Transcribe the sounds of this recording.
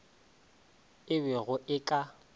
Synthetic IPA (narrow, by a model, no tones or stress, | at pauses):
ɪbɛɣʊʔɪkʼa